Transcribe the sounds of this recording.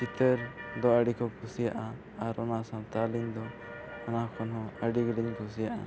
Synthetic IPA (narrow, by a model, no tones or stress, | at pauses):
kit̪əɾd̪ɔaɖikʰɔkʰusijaʔa | aɾɔnasãt̪alind̪ɔ | ɔnakʰɔnɦɔ̃əɖiɡɽiɲkʰusijaʔa̰